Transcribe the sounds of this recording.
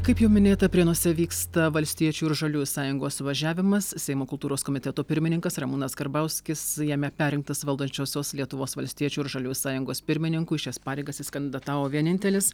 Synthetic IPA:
kɐɪpjɛʊmʲɪnʲeːt̪ɐpʲɾʲiɛnuɔsʲɛʋʲiːkst̪ɐʋɐlʲsʲt̪ʲiɛt͡ʃʲuːɪɾʒɐlʲuːsɑːjʊŋɡoːsʋɐʒʲæːʋʲɪmɐssʲɛɪmoːkʊlˠt̪uːɾoːskoːmʲɪt̪ʲɛt̪opʲɪɾʲmʲɪnʲɪŋkɐsrɐmuːnɐsɡɐɾbɐʊsʲkʲɪsjæːmʲɛpʲæːɾʲɪŋkt̪ɐsʋɐlˠd̪ɐnʲt͡ʃʲoːsʲoːslʲiɛt̪ʊʋoːsʋɐlʲsʲt̪ʲiɛt͡ʃʲuːɪɾʒɐlʲuːsɑːjʊŋɡoːspʲɪɾʲmʲɪnʲɪŋkuːɪʃʲɛspɑːɾʲɛɪɡɐsɪskɐnʲd̪ʲɪd̪ɐt̪ɑːʋoːʋʲiɛnʲɪnʲt̪ʲɛlʲɪs

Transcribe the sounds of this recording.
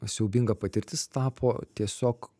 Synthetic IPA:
sʲɛʊbʲɪŋɡɐpɐt̪ʲɪɾʲt̪ʲɪst̪ɑːpʰoːt̪ʲiɛsʲoːk

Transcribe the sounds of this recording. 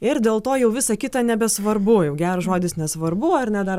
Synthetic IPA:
ɪɾd̪ʲeːlˠt̪oːjɛʊʋʲɪsɑkʲɪt̪ɑnʲɛbʲɛsʋɐɾbʊjɛʊɡʲæːɾʒoːd̪ʲɪsnʲɛsʋɐɾbʊɐɾnʲɛd̪ɐr

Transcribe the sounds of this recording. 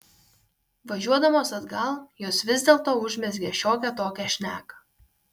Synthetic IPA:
ʋɐʒʲuɔd̪ɐmoːsɐd̪ɡɐlˠjoːsʋʲɪzʲd̪ʲeːlˠt̪oːʊʒʲmʲɛsɡʲɛʃʲoːkʲɛt̪oːkʲɛʃʲnʲæːkɐ̥

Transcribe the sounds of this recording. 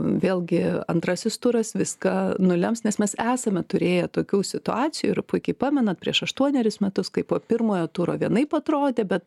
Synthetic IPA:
ʋʲeːlˠɡʲɪɐ̰nt̪ɾɑsʲɪst̪ʊːɾɐsʋʲɪskɐnʊlʲɛmsnʲɛsmʲɛsæːsɐmʲɛt̪ʊɾʲeːjɛt̪oːkʲuːsʲɪt̪ʊɑːt͡s̪ʲɪjuːɪɾpʊɪkʲɛɪpɑːmʲɛnɐt̪̚pʲɾʲḭɛʃɐʃt̪uɔnʲɛɾʲɪsmʲɛt̪ʊskɐɪpoːpʲɪɾmoːjoːt̪uːɾoːʋʲiɛnɐɪpɐt̪ɾoːd̪ʲeːbʲɛt̪

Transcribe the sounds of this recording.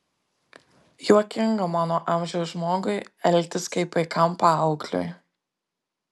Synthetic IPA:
juɔkʲɪŋɡɐmɑːnoːʔɑˑmʲʒʲɛʊsʒmoːɡʊɪɛlʲk̚ʲt̪ʲɪskɐɪpʋɐɪkɐmˑpɐɐʊklʲʊ̰j

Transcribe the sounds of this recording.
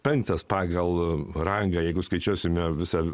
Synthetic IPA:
pʲɛnʲsʲɛːspɑːɡɐlˠrɐŋɡɐːjɛɪɡʊskɐɪt͡ʃʲuɔsʲɪmʲɛʋʲɪsɑ

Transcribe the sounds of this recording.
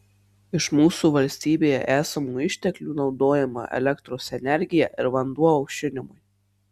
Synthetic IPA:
ɪʃmuːsuʋɐlʲsʲt̪ʲiːbʲeːjɛ̰ʔæːsɐmuːɪʃʲt̪ʲɛklʲuːnɒʊd̪oːjɛmɐ̰ʔɛ̰lʲɛkt̪ɾoːsɛnʲɛɾʲɡʲɪjɛʔɪɾʋɐnd̪uɔɐʊkʃʲɪnʲɪmʊj

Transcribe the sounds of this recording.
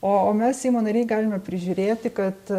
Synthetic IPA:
oːoːmʲɛssʲɛɪmoːnɐɾʲɛɪɡɑːlʲɪmʲɛpʲɾʲɪʒʲuːɾʲeːt̪ʲɪkɐt̪

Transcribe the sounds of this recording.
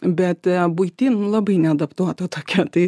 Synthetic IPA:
bʲɛt̪bʊɪt̪ʲinlˠɑbɐɪnʲɛɐd̪ɐpt̪uɔt̪ɐt̪oːkʲɛt̪ɐɪ

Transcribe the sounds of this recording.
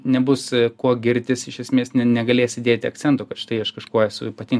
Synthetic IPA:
nʲɛbʊskuɔɡʲɪɾʲt̪ʲɪsɪʃʲɛsʲmʲeːsnʲɛnʲɛɡɐlʲeːsʲɪd̪ʲeːt̪ʲɪɐkt͡sʲɛnt̪oːkɐt̪ʃʲɪ̥t̪ɐɪɐʃkɐʃkuɔɛsʊ̰iːpɐt̪ʲiːŋ

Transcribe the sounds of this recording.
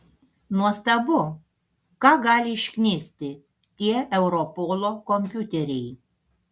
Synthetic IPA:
nuɔst̪ɐbʊ | kɑɡɑːlʲɪɪʃʲkʲnʲeːsʲt̪ʲɪ | t̪ʲiɛɛʊɾɔpoːlˠokɔmʲpʲut̪ʲɛɾʲɛj

